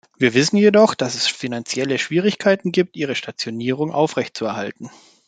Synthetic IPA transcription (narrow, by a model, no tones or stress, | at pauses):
viːɐvɪsn̩jedɔχd̥asɛsfinant͡sjɛləʃv̥iːʁ̞ɪçkʰaɪtn̩ɡiːp̚tʔiːʁ̞əʃtat͡sjoniːʁ̞ʊŋʔa̰ʊfʁɛçt̚t͡suɛɐhaltn̩